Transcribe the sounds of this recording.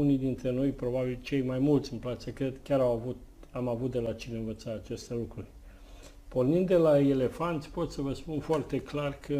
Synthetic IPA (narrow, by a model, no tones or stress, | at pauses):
unijd̪int̪ɾe̞no̞jpɾo̞babilt͡ʃe̞jmajmult̪sʲɨnplat̪səkɾe̞d̪kʲjaɾawavut̪ | amavut̪̚d̪e̞lat͡ʃineɨnvət̪sat̪at͡ʃest̪elukɾurʲ | po̞rnind̪ːe̞lae̞le̞fant̪sʲpo̞t̪səvəspunfoart̪e̞klarkʰə